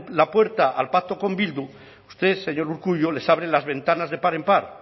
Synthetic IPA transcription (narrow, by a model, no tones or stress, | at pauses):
lapwe̞ɾt̪aʔa̰lpat̪o̞ko̞mbild̪u | ust̪e̞se̞ɲo̞ɾuɾkuʎole̞saβɾelazβẽ̞nt̪anazðe̞paɾe̞mpaɾ